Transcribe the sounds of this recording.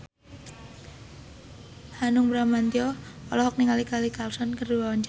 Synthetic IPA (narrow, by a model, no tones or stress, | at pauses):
hanʊŋbɾamant̪iɔɔ̰lɔɦɔk̚niŋalikalikalsɔnkərduwawaɲt͡ʃ